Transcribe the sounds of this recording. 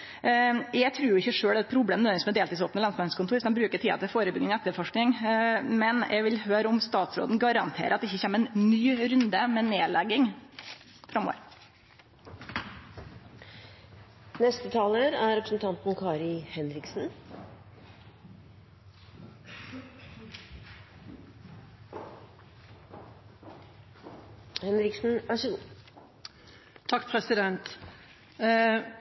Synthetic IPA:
jæɪɡt̪ʰɾʉːɾjʊɪçːəʂøːɽɛt̪pʰɾʊbleːnʋɛnɪsmɛd̪eːlt̪ːs̬oːpnəlɑnsmɛskʰʊnt̪uːɾsɔd̪ɛmbɾʉːkəʈʰiːɑ̰t̪ʰɪfoːɾəbʏɡnɪŋɛt̪ːəɾfɔʂknɪŋmɛnʔɛ̰ɡʋɪlhøːɾəɔmst̪ɑːt̪sɾo̰ːd̪n̩ɡɑɾɑnt̪ʰḛːɾəɑt̪d̪ɛɪçːəçɛːməɛnnyːɾʉnd̪əmɛneːlʔɛɡɪŋ | fɾɑmːo̰ʋəɾ | nɛst̪ət̪ʰɑːləɾæɾɾɛpɾəsn̩t̪ʰɑnt̪n̩kʰɑːɾɪhɛnɾɪksn̩ | hɛnɾɪksn̩æʂʉ | t̪ʰɑkːpʰɾɛsɪd̪ɛnt̪

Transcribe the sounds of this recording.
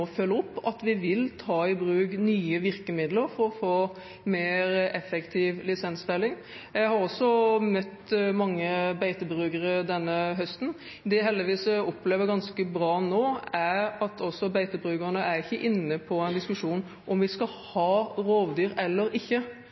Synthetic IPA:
fœlːəɔpːɑt̪ʋɪʋɪlt̪ʰɑːɪbɾʉːɡnyːəʋɪɾkəmɪd̪ləɾfɔɾɔfoː | meːɾɛfɛkt̪ʰɪʋlɪsɛnsfɛlːɪŋ | jæɪhɑɾɔsːɔmœt̪ːmɑŋːəbæɪt̪əbɾʉːɡəɾəd̪ɛnːəɦœst̪n̩ | d̪ɛæɦɛld̪ɪʋiːsəɔpleːʋəɾɡɑnskəbɾɑːnoːæɾɑt̪ʰɔsːɔbæɪt̪əbɾʉːɡəʁnəʔæɾɪçːəʔɪnːəpʰɔæɪnd̪ɪskʉʂuːn | ʔɔmʋɪskɑ | hɑːɾoːʋd̪yːɾɛlːəɾɪçːə

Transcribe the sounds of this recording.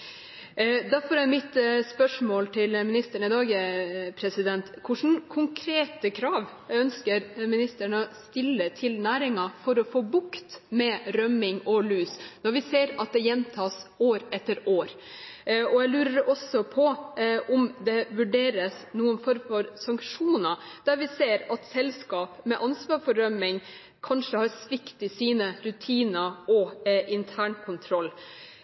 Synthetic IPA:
d̪æɾfɔɾɛmɪt̪spœʂmoːlt̪ʰɪlmɪnɪst̪əɳɪd̪ɑːɡəpʰɾɛsɪd̪ɛnt̪kʰʊʂn̩kʰʊŋkʰɾeːt̪əkʰɾɑːʋ | œnskəɾmɪnɪst̪əɳəɔst̪ɪlːət̪ʰɪlnæːɾɪŋɑfɔɾɔfoːbʊkt̪mɛɾœmɪŋɔlʉːsnɔɾʋɪseːɾɑt̪̚d̪ɛjɛnːt̪ʰɑːsoːɾɛt̪ːəɾoːɾ | ɔjæɪlʉːɾəɾɔsɔpʰɔʔʊmd̪ɛʋʉɖeːɾəsnuːənfɔɾmfɔɾsɑŋkʂuːnɑd̪̥æɾʋɪseːɾɑt̪sɛlskɑːpmɛʔɑnsʋɑːɾfɔɾːœmɪŋ | kʰɑnʂəhɑɾsʋɪkt̪ɪsiːnəɾʉt̪ʰiːnəʔɔʔɪnt̪ʰæːɳkʰʊnt̪ʰɾɔlː

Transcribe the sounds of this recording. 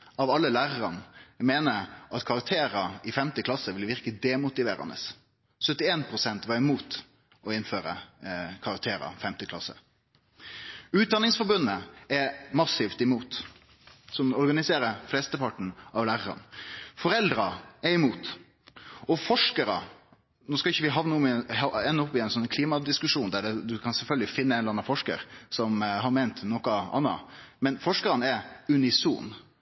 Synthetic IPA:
ɑʋɑlːəlæːʁəʁɑnmeːnəʔɑt̪kʰɑɾɑk̚t̪ʰeːɾəɪfɛmt̪əkʰlɑsəʋɪlʋɪʁkəd̪eːmʊt̪ɪʋḛːɾɑ̰nə̰s | sœt̪ːɪeːnpʰɾʊsɛnt̪ʋɑɾɪmuːt̪ | ɔɪnføːɾə̰kʰɑʁɑk̚t̪ʰeːɾə̰fɛmt̪əkʰlɑ̰sːə̰ | ʉːt̪̚d̪ɑnɪŋsfɔɾbʉnːəɛmɑsift̪ɪmuːt̪ | sɔmɔɾɡɑnɪseːɾəflɛst̪əpʰɑʈːɳ̩ɑʋlæːɾəɾɑ̰nfɔɾɛld̪ɾɑɛɪmuːt̪ | ɔfɔʂkəɾə̰ | noːskɑlɪçːəʋɪɦɑʋnəɔmhɑɛnːɔpːɪɛnsɔnkʰliːmɑd̪ɪskʉʂuːnd̪æɖɛd̪ʉkʰɑnsɛlfœlɡəlɪfɪnːəɛnɾɑnɑfɔʂkə̰ɾsɔmɦɑɾmeɪnt̪nɔkəɑ̰nːɑ̰mɛnfɔʂkəɾɑnɛʉnɪsṵːn

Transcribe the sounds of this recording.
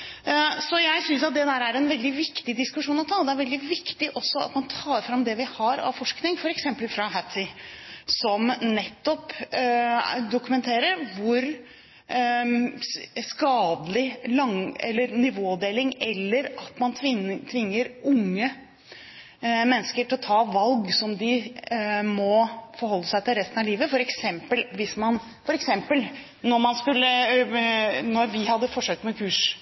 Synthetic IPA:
sɔjæɪsʏns̬ɑt̪̚d̪ɛd̪æːɾæɾɛnʋɛld̪ɪʋɪkt̪ɪd̪ɪskʉʂuːnɔt̪ʰɑːd̪ɛæɾʋɛld̪ɪʋɪkt̪ɪʔɔsːɔɑ̰t̪mɑnt̪ʰɑːɾfɾɑmd̪ɛʋɪhɑɾɑ̰ʋfɔʂknɪŋfɔɾɛksɛmpəlfɾɑɦæt̪ʰɪsɔmnɛt̪ːɔp | d̪ʊkʉmɛnt̪ʰeːɾəɾʋʊɾ | skɑːd̪lɪlɑŋɛ̰lːəɾnɪʋoːd̪eːlɪŋɛlːəɾɑt̪mɑnʰɪt̪ʰʋɪŋːəɾʊŋːə | mɛnːəskəʈʰɪlɔt̪ʰɑːʋɑlɡsɔmd̪ɪ | mɔfɔɾhɔlːəsæɪt̪ɪlɾɛst̪ənɑliːʋəfɔɾɛksɛmpəlʋɪsmɑn | fɔɾɛksɛmpəl | nɔɾmɑnskʉlːə | nɔɾʋɪhɑd̪ːəfɔʂøːkt̪mɛkʰʉːʂ

